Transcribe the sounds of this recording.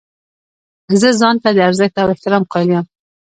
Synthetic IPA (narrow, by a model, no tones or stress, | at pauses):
zəzɑnt̪ad̪əaɾzəx̚t̪awɪht̪ɪɾɑmqɑlijam